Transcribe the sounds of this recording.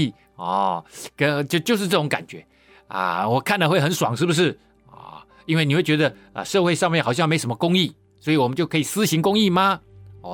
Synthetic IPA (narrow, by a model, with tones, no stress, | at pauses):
ɔ˥˩kə˦˧t͡ɕjo˥˧ʊt͡ɕjo˥˧ʊʂ̬̩˥˧ʈ͡ʂɤ˥˩ʊ˧˥ŋka̰˨˩nt͡ɕɥɛ˧˦ | ə̰˧˩wɔ˨˩kʰa˥˩nd̪ə˩xwe˥˩ɪxə˦nʂwɑ̰˨˩ŋʂɻ̩˥˩bu˩ʂ̬ɻ̩˥˩ | ɔ̰˨˩ | i˥nwe˥˩ni˨xwe˥˩ɪt͡ɕɥɛ˧˦d̪ə˧ə̰˧ʂɤ˥˧xwe˥ɪʂɑ˥˧ŋmjɛ˥˩nxʊɕɑ˥˧m˧˥˨ʊʂə˦m˧ə˧kʊ˥ŋi˥˩ | swɔ˧˥i˨wɔ˨˩mə˦nt͡ɕjo˥˩ʊkʰɤ˧˥i˨˩sɹ̩˥ɕi˧˥ŋkʊ˥ŋi˥˩ma˨ɔ˨˩